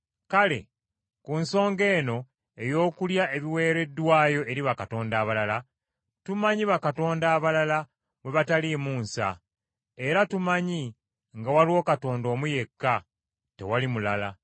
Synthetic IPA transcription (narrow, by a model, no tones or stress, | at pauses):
kale̞̰ | kunso̞ːŋɡe̞ːno̞ | e̞jo̞ːkuljaʔe̞βiwe̞ːɾe̞dːwaːjo̞ʔe̞ɾiβakato̞ːndaːβalala | tumaɲiβakato̞ːndaːβalala | mwe̞βatalimuːnsa̰ | e̞ɾatumaɲi | ŋɡawaliwo̞ːkato̞ːndo̞ːmuje̞kːa | te̞̰walimulala̰